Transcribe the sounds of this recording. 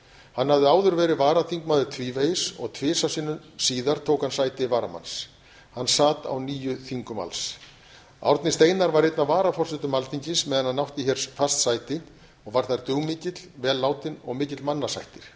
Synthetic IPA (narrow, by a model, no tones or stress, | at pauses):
hanːhavðɪaːwðʏɾvɛːɾɪvaːɾaθiŋkmaːðʏt̪ʰviːvejɪsɔ̰ɣt̪ʰvɪːsasɪːnʏm | siːðaɾ̥t̪ʰoːwkhansaːjt̪ɪvaːɾama̰ns | hanːsaːt̪a̰wniːjʏθiŋkʏma̰ls | a̰wɾt̪nɪst̪eːjnaɾvaɾejt̪navaːɾafɔrsɛt̪ʏmalθiɲcɪnsmɛːðanhanːawht̪ɪçɛɾ̥sfast̪sajt̪ɪ | ɔɣvaɾ̥θaɾt̪ʏwmɪːcɪt̪lvɛːlːaːwt̪ɪnɔɣmɪːcɪt̪lmanːasa̰jht̪ɪɾ̥